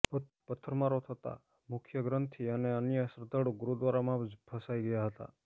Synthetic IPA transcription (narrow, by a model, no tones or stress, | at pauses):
pə | pət̪ʰːəɾmaɾot̪ʰət̪a̰ | mʊkʰjəɡɾənt̪ʰiəneənjəsɾəd̪ʱəɽoɡuɾud̪ʋaɾamãbʱəsaiɡəjaɦət̪a̰